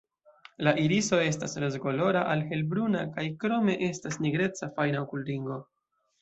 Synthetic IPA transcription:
laʔiɾiso̞e̞stasɾezɡo̞lo̞ɾaʔalhe̞lbɾunakajkɾo̞me̞ʔe̞stasniɡɾe̞t͡safajnaokulɾiŋɡo̞

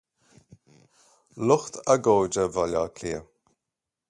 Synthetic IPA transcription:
lʊxt̪ʰəɡoːd͡ʒəvalʲakʰliə

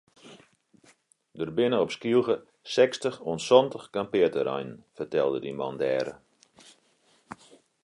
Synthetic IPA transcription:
dərbɪnəɔpskilˠɣə | sɛkstəxoənsɔntəxkampɪətəɾa̰jnn̩fərtɛlˠdədimɔ̰ndɛːɾə̰

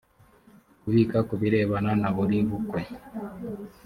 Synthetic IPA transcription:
kuβikakuβiɾɛβananaβuɾiβukwe

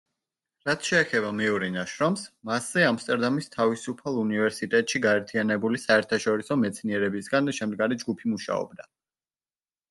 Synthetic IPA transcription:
ɾat̪ʰʃɛːχɛbamɛuɾinaʃɾɔmsmaszɛamst̪ʼɛɾd̪amist̪ʰavisupʰalˠunivɛɾsit̪ʼɛt̪ʼʃiɡaɛɾt̪ʰianɛbulisaɛɾt̪ʰaʃɔɾisɔmɛt̪sʰniɛɾɛbisɡanʃɛmd̪ɡaɾid͡ʒɡupʰimuʃa̰ɔ̰b̚d̪a

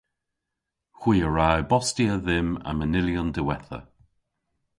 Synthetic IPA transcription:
xwiːəɹajbɔstiəðɪma̰mənɪljɔndəwɛθə̰

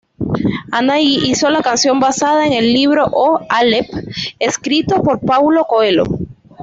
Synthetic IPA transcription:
anaiʔiso̞lakansjo̞mbasaðaeŋe̞lːiβ̞ɾo̞ʔoalepeskɾit̪o̞po̞ɾpawlo̞koelo̞̰

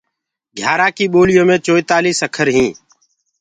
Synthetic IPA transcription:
ɡʱjaːɾaːkiːɓoːlɪjõːmẽːt͡ʃoːit̪aːliːsəkʰəɾɦĩː

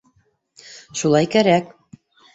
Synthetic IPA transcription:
ʃulˠɑjkæɾæk

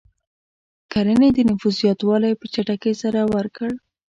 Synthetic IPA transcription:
kaɾəned̪ənʊfuzjɑt̪wɑlajpət͡ʃaʈakəsaɾawəɾkəɽ

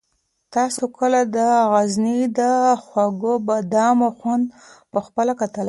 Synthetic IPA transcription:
t̪ɑsokəlad̪əɣaznid̪əxwaɡobad̪ɑmoxwand̪̚ | pəxpəlakat̪əla

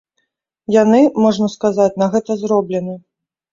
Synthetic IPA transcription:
janɨmɔʐnɐskazat͡sʲnɐɣɛt̪ɐzɾɔblʲɛnɨ

